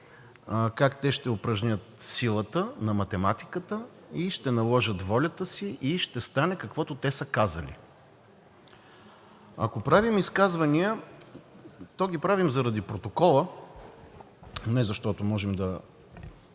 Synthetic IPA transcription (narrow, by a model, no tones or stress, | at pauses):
kakt̪ɛʃt̪ɛopɾɐʒnʲət̪silˠət̪ənɐmɐt̪ɛmat̪i̥kət̪ə | iʃt̪ɛnɐlˠɔʒət̪vɔlʲət̪əsiʔiʃt̪ɛst̪anɛkɐkvɔt̪ot̪ɛsəkazə̰lḭ | ɐ̰kopɾavimiskazvɐniə | t̪ɔɡʲipɾavimzɐɾɐd̪ipɾot̪okɔlˠə | nɛzɐʃt̪ɔt̪omɔʒɛmd̪ɐ